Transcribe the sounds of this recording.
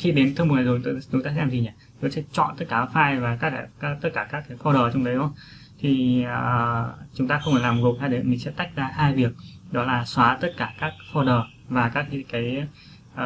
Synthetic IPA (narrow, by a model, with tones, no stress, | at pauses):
xi˧ɗe˨˦nt̪ʰɨ˧m̚˨˩naː˨˩zo˨˩˨t̪o˧˨ɗʊ˨˦t̪aː˧sɛ˧mzi˨˩ɲaː˨˩ | t̪o˨˦sɛ̰˧˥t͡ɕɔ̰˧˨nt̪ə˦˥t̚kaː˧˩˨faː˧jvaː˨˩kaː˦˥kaː˨˦˧t̪ə˦˥t̚kaː˧˩kaː˦˥kːaː˨˦jfɔ˧ɗəː˨˩˨t͡ɕɔ˧wŋ͡mɗə˨˦jʔo˧˦ŋ͡m | t̪ʰi˨˩˨ | t͡ɕʊ˨˦ŋ͡mt̪aː˧xə˧wŋ͡maː˧˩laː˨˩m̚˨˩ɣo˨˩haː˧ɗe˨˩mi˧˨˩ŋsɛ̰˧˥t̪a˦˥jk̟̚zaː˧haː˧jvi˨˩ək̚ɗɔ˨˦laː˨˩swaː˨˦t̪ə˦˥t̚kaː˧˩kaː˦˥k̚fɔ˧ɗəː˨˩ | vaː˨˩kaː˦˥kkaː˨˦j